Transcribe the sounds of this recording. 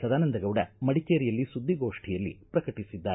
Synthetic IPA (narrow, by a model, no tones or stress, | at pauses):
sɐd̪aːnɐnd̪ɐɡɐʋɽɐmɐɽikeːɾijɐlːisud̪ːiɡoːʂʈʰijɐlːḭpɾɐkɐʈisid̪ːaː